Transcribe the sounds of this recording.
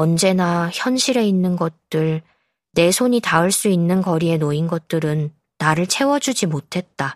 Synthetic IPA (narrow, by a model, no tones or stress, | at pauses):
ʌnd͡ʑe̞naçjʌnɕʰiɾe̞inːɯnɡʌt̚t͈ɯɭ | ne̞sʰoɲitaɯɭs͈uinːɯnkʌɾie̞noinɡʌt̚t͈ɯɾɯnː | aɾɯɭt͡ɕʰe̞wʌd͡ʑud͡ʑimotʰe̞t̚t͈a